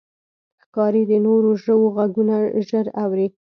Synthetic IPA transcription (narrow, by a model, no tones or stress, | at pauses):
xkɑɾid̪ənoɾoʒəwoɣaɡunaʒəɾawɾi